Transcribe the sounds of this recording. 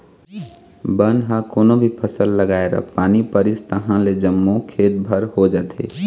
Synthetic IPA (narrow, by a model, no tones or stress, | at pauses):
bənɦãkoːnobʱipʰəsəlːəɡaːeɾə̰paːnipəɾɪst̪əɦãled͡ʒəmːukʰeːt̪̚bʱəɾhod͡ʒaːt̪ʰḛː